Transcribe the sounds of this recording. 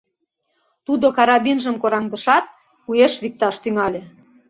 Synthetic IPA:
t̪ud̪okɑɾɑβinʒəmkoɾɑŋd̪ə̆ʃɑt̪̚ | ujeʃβik̚t̪ɑʃt̪yŋɑlʲe

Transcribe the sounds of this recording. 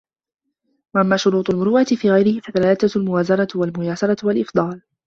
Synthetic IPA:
waʔamːaːʃʊɾuːt̪ˤʊlmʊɾuːʔat̪ɪfiːɣajɾɪhɪfaðalaːlat̪aalmʊwaːzɑɾˤɑwalmʊjaːsɑɾˤɑwalʔɪfd̪ˤɑːl

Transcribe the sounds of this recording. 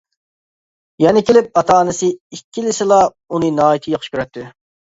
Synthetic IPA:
jɛnɪkʲʰelɪp̚ɑt̪ʰɑːnɨsɨikʲːilɪsɨlˠɑ | unɨnɑːjit̪ʰɨjɑχʃkʲøɾɛt̪ʰːɪ

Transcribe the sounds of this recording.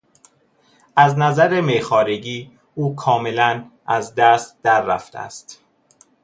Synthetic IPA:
ʔæznæzæɾemexɒːɾeɟiː | uːkʰɒːme̞lænʔæzd̪æːst̪̚d̪̥æɾːæ̰ft̪eæ̰st̪

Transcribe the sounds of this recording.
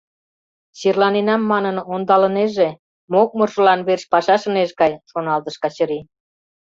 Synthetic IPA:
ɕirlɑninɑmːɑnənond̪ɑləneʒe | mok̚mərʒəlɑnβerʃpɑʃɑʃə̆neʃɡɑjʃonɑlt̪əʃkɑt͡ɕə̆ɾi

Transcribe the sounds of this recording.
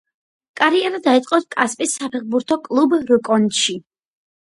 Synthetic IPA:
kʼaɾiɛɾad̪ait̪sʼqʼɔt̪kʼaspʼisːapʰɛχbuɾt̪ʰɔkʼlˠubɾɔkʼɔnʃi

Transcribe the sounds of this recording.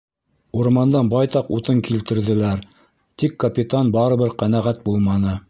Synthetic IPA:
uɾmɑnd̪ɑnbɑjt̪ɑqut̪ɤŋkilt̪ɘ̆ɾðɘ̆læɾ | t̪ikːɐpʲit̪ɑnbɑɾɤ̆βɘɾqænæʁæt̪̚bulˠmɑnɤ

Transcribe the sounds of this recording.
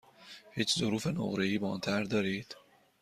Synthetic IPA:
hiːt͡ʃʰzoɾuːfe̞no̰ʁɾeiːbɒ̰ːnt̪ʰæɾd̪ɒːɾiːd̪̥

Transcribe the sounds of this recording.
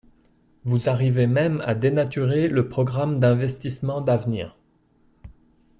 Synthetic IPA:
vuzaʁivemɛma̰d̪enat̪yʁeləpχɔɡʁamd̪ɛ̃vɛst̪ismɑ̃d̪avnḭːʁ

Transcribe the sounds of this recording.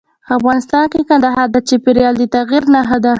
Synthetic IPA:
pafɣɑnɪst̪ɑnkekand̪aɦɑd̪at͡ʃepeɾjɑld̪ət̪aɣiɾnaɦad̪a

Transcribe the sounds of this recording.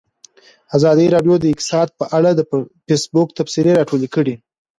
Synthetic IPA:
azɑd̪iɾɑɖjod̪əɪksɑd̪̚pəʔaɽad̪əpesbʊk̚t̪afsiɾeɾɑʈolekəɽi

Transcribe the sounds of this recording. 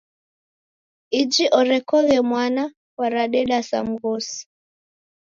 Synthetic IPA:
id͡ʒiʔɔɾɛkɔɣɛmwana | kwaɾaɗɛɗasa̰m̩ɣɔsi̥

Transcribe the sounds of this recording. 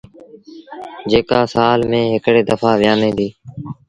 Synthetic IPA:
d͡ʒeːkaːsaːlmẽːɦɪkɽeːd̪əfaːʋɪjãːnẽːd̪iː

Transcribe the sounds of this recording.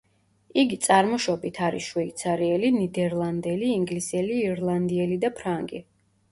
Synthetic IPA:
iɡit̪sʼaɾmɔʃɔbit̪ʰaɾḭsʃwɛit̪sʰaɾiɛlinid̪ɛɾlˠand̪ɛliːŋɡlisɛliːɾlˠand̪iɛlid̪apʰɾaŋɡḭ

